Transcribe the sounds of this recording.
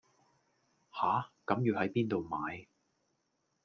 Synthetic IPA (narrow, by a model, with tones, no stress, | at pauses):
haː˨˥kɐ˨˧˥mjiː˨˧whɐ˨˥jpiː˥nt̪o˨wmaː˨˧j